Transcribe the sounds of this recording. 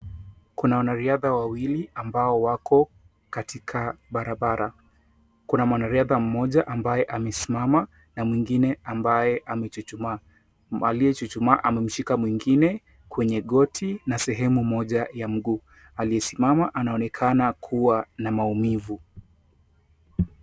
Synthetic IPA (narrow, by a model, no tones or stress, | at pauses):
kunawanaɾiaðawawiliambaɔwakɔ | katʰikʰaɓaɾaɓaɾa | kunamwanaɾiaðam̩mɔʄaʔambajɛʔamɛsimama | namwiŋɡinɛambajɛʔamɛt͡ʃut͡ʃuma | alijɛt͡ʃut͡ʃumaʔamɛm̩ʃikamwiŋɡinɛ | kwɛɲɛɠɔtʰinasɛɦɛmumɔʄajam̩ɠuː | alijɛsimamaʔanaɔnɛkʰanakʰuwanamaumivu